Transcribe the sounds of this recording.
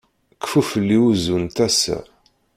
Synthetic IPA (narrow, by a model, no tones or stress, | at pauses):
kfufəlːiuzunt̪æsæ̰